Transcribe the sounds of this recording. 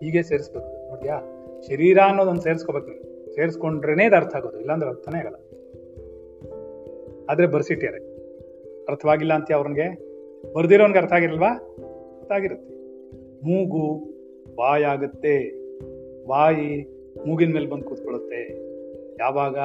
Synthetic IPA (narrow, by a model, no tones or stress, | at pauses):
ɦiːɡeːseːɾisbeːkuno̞ːɽt̪jaːʃɐɾiːɾaːɐnːod̪ond̪seːɾisko̞be̞ːknɐ | se̞ːɾisko̞ɳɖɾeneːd̪ɐɾt̪ʰɐaːɡoːd̪uilːɐːnd̪ɾeɐɾt̪ʰɐneaːɡɐlːa | aːd̪ɐɾe̞bɐɾsiʈːijɐɾe | ɐɾt̪ʰɐʋaːɡilːaːnt̪ijaɐʋɾɐnɡe̞ | bɐɾd̪iɾoːnɡeɐɾt̪ʰɐʋaːɡiɾɐlʋaː | ɐɾt̪ʰɐaːɡiɾut̪ːe | muːɡu | ʋaːjaːɡut̪ːe̞ | ʋaːji | muːɡinme̞ːlebɐnd̪̚kuːt̪̚koɭut̪ːe̞ | jaːʋaːɡɐ